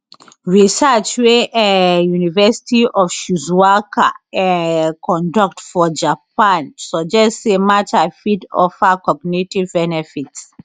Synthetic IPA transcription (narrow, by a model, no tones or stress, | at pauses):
ɹisat͡ʃweʔɛ̃junivɛsi̥tiɔfʃuzwaka̰ɛkʰɔ̃ndɔk̚tfɔd͡ʒapãnsɔd͡ʒɛstsemat͡ʃafidɔ̰fakɔɡnitivbɛnɛfits